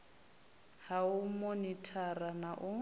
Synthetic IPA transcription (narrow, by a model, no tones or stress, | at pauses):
haʊmonitʰaranaʔʊ